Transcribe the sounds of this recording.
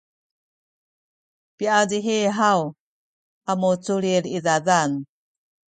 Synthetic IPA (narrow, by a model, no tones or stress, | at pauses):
piadiɦeɦaw | amut͡suɾiɾiðaðan